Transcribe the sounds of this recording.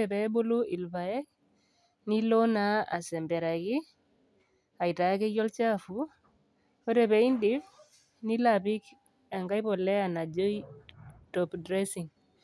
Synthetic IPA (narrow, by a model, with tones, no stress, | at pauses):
ɛ˨pɛ˨˦bo˦lu˦i˨lba˨jɛ˦k̚ | ni˦lɔ˦naa̰˨sɛ˨mbɛ˨ɾa˨ki˦ | a˨i˨ta˨ja˦ke˦jɔ˦lt͡ʃa˦fu˨ | ɔ˦ɾɛ˨pe˨i˦ndif | ni˦lapi˦k | a˨ŋɡa˦jpɔ˨lɛ˦a˨na˨d͡ʒo˦jtɔpdɾɛ˦si˨ŋ